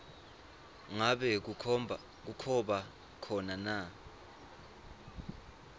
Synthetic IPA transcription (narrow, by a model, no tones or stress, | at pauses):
ŋaɓɛk̬u | k̬ukʰɔɓa | kʰɔnana